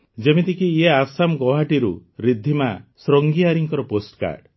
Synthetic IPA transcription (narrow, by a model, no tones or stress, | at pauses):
d͡ʒemit̪ikijeasamɡɔɦaʈiɾuɾid̪ʱːimasɾɔŋɡiaɾiŋkɔɾɔposʈka̰ɾɖ